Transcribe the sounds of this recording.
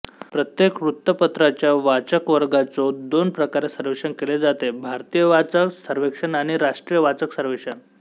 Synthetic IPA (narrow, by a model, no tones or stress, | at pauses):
pɾət̪jekɾut̪ːəpət̪ɾat͡ɕjaʋat͡ɕəkʋəɾɡat͡sɔd̪onpɾəkaɾesəɾʋekʂənkeled͡zat̪ebʱaɾt̪ijəʋat͡səksəɾʋekʂənaɽ̃iɾaʂʈɾijəʋat͡səksəɾʋekʂən